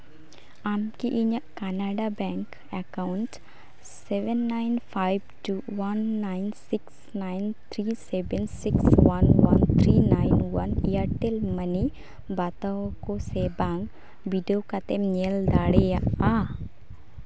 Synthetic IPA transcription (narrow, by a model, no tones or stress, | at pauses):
aːmkiʔiɲəʔkanaːɖabɛːŋk | ekawʊɳʈ | seʋənːaɪnpʰajbʈuːwɐnːaɪnsɪks | naɪnt̪ʰɾiːsebənsɪkswɐnwɐnt̪ʰɾiːnaːɪnwɐnjaʈelmɐni | baːt̪aokosebaːŋɡ | biɖijokat̪emɲeld̪aːɽejaʔaː